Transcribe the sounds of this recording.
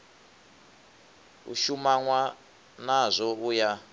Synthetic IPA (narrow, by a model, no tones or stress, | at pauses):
ṵʃumaŋwa | nazʷɔuja